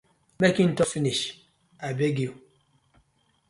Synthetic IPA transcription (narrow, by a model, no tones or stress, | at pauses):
mekĩntɔfiniʃ | abeɡiu